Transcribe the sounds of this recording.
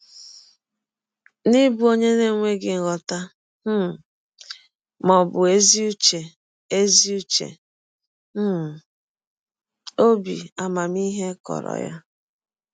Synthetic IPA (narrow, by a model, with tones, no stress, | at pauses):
nɪ˦bu˦o˦ɲe˦ne˦˨ŋʷe˦ɡɪ˨ŋ̩˨ɣɔ˨ta˦ | m̩˦˨ | mɔ˨bʊ˨e˦zi˦u˦t͡ʃe˨ | e˦zi˦u˦t͡ʃḛ˨˦˨ | o˦bḭ˨a˨ma˨mi˦ɦe˦kɔ̰˨ɾɔ̰˨ja̰˦